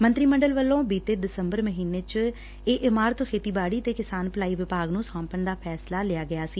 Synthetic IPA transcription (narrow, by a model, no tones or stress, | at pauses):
mənt̪ɾiːməɳɖəlʋəlːõːbiːt̪eːd̪ɪsəmbəɾməɦiːneːt͡ʃ | eːʔɪmaːɾət̪ʰkʰeːt̪iːbaːɽiːt̪eːkɪsaːnpəlaːiːʋɪpaːɡnũːsãːmpəɳd̪aːpʰɛːslaːlɪjaːɡɪjaːsiː